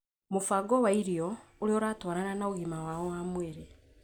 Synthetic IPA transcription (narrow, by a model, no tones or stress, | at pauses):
mufaɡowaiɾijoulioɾatwaːɾananauɣimawaːowaːmweɾe